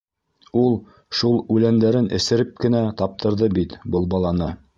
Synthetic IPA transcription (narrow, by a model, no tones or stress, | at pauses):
ulˠ | ʃulˠʉlænd̪æɾɘnʔɘ̆sɘ̆ɾɘp̚kɘ̆næt̪ɑp̚t̪ɤ̆ɾðɤbit̪bɤlˠbɑlˠɑnɤ